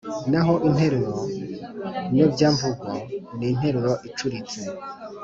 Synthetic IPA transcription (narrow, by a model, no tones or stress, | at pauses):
naɦo̞ʔin̥he̞ɾeɾo | ɲobɟaːmvuɡwanin̥he̞ɾeɾoʔit͡ʃuɾit͡se